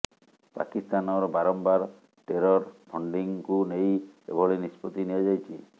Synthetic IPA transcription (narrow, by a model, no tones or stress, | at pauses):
pa̰kist̪anɔɾɔbaɾɔmbaɾ | ʈeɾɔɾpʰɔɳɖiŋkunejḛbʱɔɭenispɔt̪iniad͡ʒajt͡ʃʰi